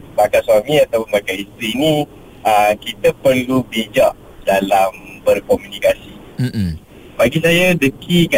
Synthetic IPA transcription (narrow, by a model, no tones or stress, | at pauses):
bakaswamĩat̪awpʊnbakaist̪ɾiːnĩ | əkit̪əpərlubid͡ʒaʔ | dalambərkɔmũnikasi | baɡisajadəkʰika